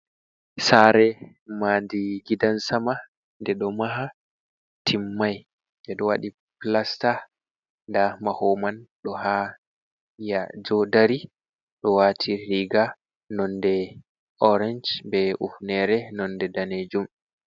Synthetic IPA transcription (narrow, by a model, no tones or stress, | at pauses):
saɾɛ | madiɡidansama | ndɛɗɔmaɦa | tʰimːaj | ʔɛɗɔwaɗi | plasta | ndamahomanɗɔha | jad͡ʒɔdaɾi | ɗɔwaːtʰiɾiɡa | nɔndɛ | ɔɾɛnd͡ʒbɛufnɛɾɛnɔndɛdaned͡ʒum